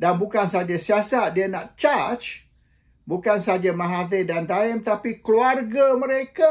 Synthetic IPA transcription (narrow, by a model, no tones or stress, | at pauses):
danbukansad͡ʒasiasadiənaʔt͡ʃat͡ʃ | bukansad͡ʒamãɦat̪ɪdant̪aɪmt̪apikluarɡamə̃ɾeka